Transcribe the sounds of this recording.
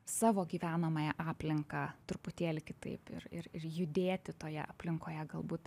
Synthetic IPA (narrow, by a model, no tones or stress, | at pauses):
sɑːʋoːɡʲiːʋʲæːnɐmɐjɛʔɑːpʲlʲɪŋkɑːt̪ʊɾʊpʊt̪ʲeːlʲɪkʲɪt̪ɐ̰ɪpɪ̰rɪ̰ɾɪrjʊd̪ʲeːt̪ʲɪt̪oːjɛ̰ʔɐpʲlʲɪŋkoːjɛɡɐlˠbuːt̪